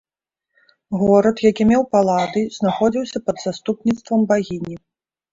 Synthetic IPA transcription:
ɣɔɾɐt̪jakʲimʲɛwpalˠad̪ɨznaxɔd͡zʲiwsʲɐpɐd̪zast̪upnʲit̪st̪vɐmbaɣʲinʲi

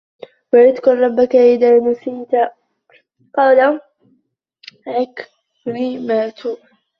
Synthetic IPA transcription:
waɾɪd̪kʊlˤɾˤɑbːakaʔɪðaːnasiːt̪a | qɑːla | ʕak | ɾimaːt̪ʰuː

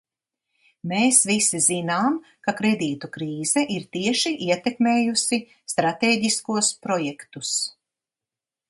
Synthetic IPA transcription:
meːsvisizinaːm | kakɾɛd̪iːt̪ukɾiːzɛʔiɾt̪iɛʃiʔiɛt̪ɛkmeːjusi | st̪ɾat̪eːɟiskuɔspɾɔjɛkt̪us

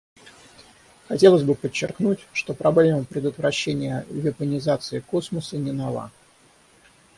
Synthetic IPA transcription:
xɐtʲe̞lˠəsʲbɨpət͡ɕːɪrknutʲʂt̪o̞pɾɐblʲe̞məpɾʲɪd̪ət̪vɾɐɕːenʲɪjəvʲɪpənʲɪzat̪sɨɪko̞sməsənʲɪnɐlˠa̰

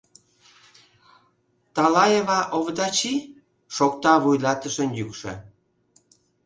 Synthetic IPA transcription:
t̪ɑlɑjeβɑʔoβd̪ɑt͡ɕi | ʃok̚t̪ɑβujlɑt̪əʃənjykʃə̰̆

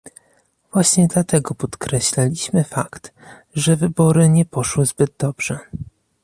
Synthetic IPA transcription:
v̥waɕɲɛd̪lat̪ɛɡɔpɔt̪kɾɛɕlalʲiɕmɘfakt̪ | ʐɛvɘbɔɾɘɲɛpɔʂwɘzbɘd̪d̪ɔbʐ̥ɛ

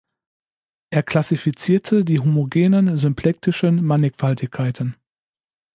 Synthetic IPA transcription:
ʔeːɐkʰl̥asifit͡siːɐtʰədiːɦomoɡeːnənzʏmpʰlɛk̚tɪʃənmanɪkfaltɪçkʰːaɪtʰən

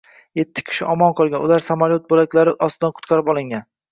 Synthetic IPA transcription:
je̞t̪ʰːɪ̥kʲʰɪ̥ʃɪʔɒmɒnqʰɒlˠɡʲanʊlaɾsamaɾjot̪̚bolakʲlaɾɪʔɒst̪ɪd̪anqʰʊ̥t̪qɑɾɪpɒlˠɪŋɡʲan

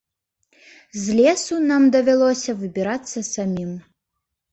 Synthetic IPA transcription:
zʲlʲɛsunamd̪ɐvʲalˠɔsʲɐvɨbʲiɾat̪sːɐsamʲim

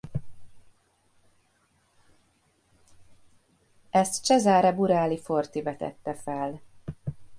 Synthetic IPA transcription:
ɛst̪t͡ʃɛzaːɾɛbuɾaːlifo̞rt̪ivɛt̪ɛ̰t̪ːɛfɛl

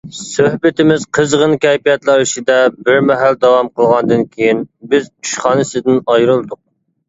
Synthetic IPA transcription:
søhbɪt̪ʰɪmɪzqʰəzʁənkʲɛjpijɛt̪lˠæɾiʃid̪ɛbɪɾmɛɦæld̪ɑwɑmqʰəlˠʁɑnd̪ɨnkʲʰejinbɪzyʃχɑːnɨsɨd̪ɪnɑjɾɨlˠd̪ʊq̚

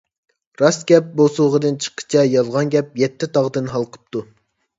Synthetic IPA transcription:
ɾɑsɡʲɛp̚bosuʁəd̪ɨnt͡ʃʰə̥qʰːə̥t͡ʃʰɛjɑlˠʁɑnɡʲɛp̚jɛt̪ʰːɪt̪ʰɑʁd̪ɨnɦɑlˠqʰə̥p̚t̪ʰu

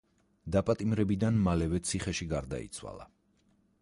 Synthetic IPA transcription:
d̪apʼat̪ʼimɾɛbid̪anmalɛvɛt̪sʰiχɛʃiɡaɾd̪a̰ḭt̪sʰwa̰lˠa̰

